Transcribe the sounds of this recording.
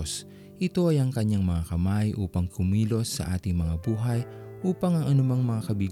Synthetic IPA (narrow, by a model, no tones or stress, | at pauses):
s | ʔɪt̪o̞ɐjɐŋkɐɲaŋmɐŋakɐmajʔṵːpɐŋkʊmiːlo̞sːɐ̰ʔa̰ːt̪ɪŋmɐŋabuːɦɐjʔuːpɐŋɐŋʔɐnʊmaŋmɐŋakɐbiɡ